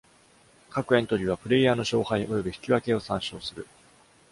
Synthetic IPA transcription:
kakɯ̟ẽ̞nt̪o̞ɾʲiβ̞apɯ̟ɾe̞jaːno̞ɕo̞ːhaiʔo̞jo̞biçi̥kʲiβake̞o̞sãɰ̃ɕo̞ːsɨɾɯ̟

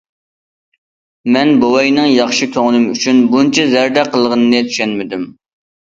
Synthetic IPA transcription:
mɛnbowɑjnɨŋjɑχʃɨkʲʰøŋlˠɨmyt͡ʃʰynbunt͡ʃʰɛzɛɾd̪ɛqʰəlˠəʁənɨnɨt̪ʰy̥ʃɛnmɪd̪ym

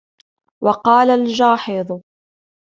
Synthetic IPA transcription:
wɑqɑːlald͡ʒɑːħɪðˤ

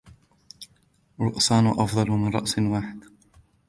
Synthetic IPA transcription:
ɾˤʊʔsɑːnʊʔɑfd̪ˤɑlmɪnɾˤɑ̰ʔsnwaːħɪd̪

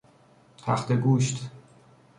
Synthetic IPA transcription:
t̪ʰæ̰xt̪eɡuːʃt̪ʰ

